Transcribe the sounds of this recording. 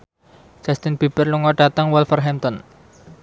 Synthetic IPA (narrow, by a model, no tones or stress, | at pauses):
d͡ʒ̥ast̪inpipərluŋɔɖ̥at̪əŋwɛlfərɦɛmt̪ɔn